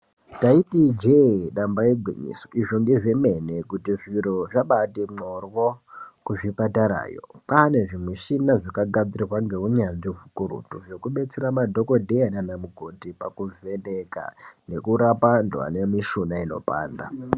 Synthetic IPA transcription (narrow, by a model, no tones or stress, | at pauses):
taitid͡ʒeɗambajeɡʱwiɲḭsoʔiʐoŋɡe̞ʐe̞menekutiʐiɾoʐaɓatemorwokuʐipataɾa̰ːjo̰pane̞ʐimwiʃinaʐikaɡad͡zirirwaŋɡe̞uɲanʐivukuɾṵtuʐe̞kuɓe̞t͡seɾamadʱo̞ko̞dʱeananamuɡʱotipakuve̞neka̰ne̞kuɾapandwa̰nemiʃunaino̞̰pa̰ːnda̰